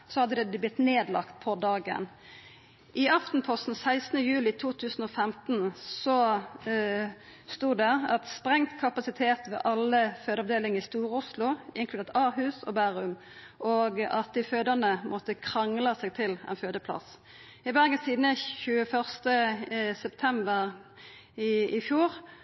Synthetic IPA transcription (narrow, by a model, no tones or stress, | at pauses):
sɔhɑd̪ːəd̪ɛblɪt̪ːneːd̪lɑ̰kt̪̚pʰɔd̪ɑːɡə̰n | ʔɪɑft̪n̩pʰɔst̪n̩sæɪsnəjʉːlɪt̪ʰuːt̪ʰʉːsn̩ɔːfɛmt̪n̩sɔ | st̪uːd̪ɛʁɑt̪spʁɛŋt̪kʰɑpɑsɪt̪ʰeːt̪ʋɛ̰ːʔɑlːəføːd̪əɑʋd̪eːlɪŋəʁɪst̪uːʁʊslʊɪŋklʉd̪eːʁt̪ɑːʁɦhʉːsɔ̰bæːʁʉm | ʔɔɡɑt̪̚d̪ɪføːd̪əʁnəmʔɔt̪əkʰʁɑŋləsɛɡ̚t̪ʰɪlɛ̰nføːd̪əpʰlɑ̰s | ɪbæʁɡənsiːd̪nəçʉːəfœʁst̪əsɛpt̪ʰɛmbəʁ | ɪfjuːʁ